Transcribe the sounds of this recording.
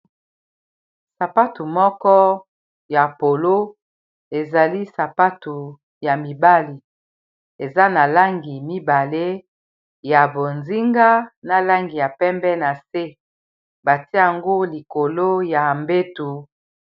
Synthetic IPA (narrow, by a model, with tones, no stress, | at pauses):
sa˨pa˦tu˨mɔ˦kɔ˦ | ja˨po˨lo˦ | e˨za˨li˦sa˨pa˦tu˨ | ja˨mi˨ba˦li˨ | e˨za˦na˨la˦ŋɡi˨mi˦ba˨le˦ | ja˨bo˨nzi˦ŋɡa˦na˨la˦ŋɡi˨ja˨pɛ˦mbɛ˦na˨se˦ | ba˨ti˦a˨ŋɡo˦li˨ko˨lo˦ja˨mbe˦tu˨